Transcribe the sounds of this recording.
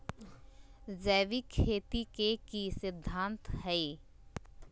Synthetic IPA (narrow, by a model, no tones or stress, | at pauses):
d͡ʒəːʋikʰːeːt̪ikekisɪd̪ʱːãːnt̪ɦɛi